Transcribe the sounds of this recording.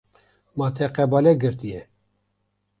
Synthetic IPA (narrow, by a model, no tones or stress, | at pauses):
mɑːt̪ʰɛqɛbɑːlɛɡɨɾt̪ijɛ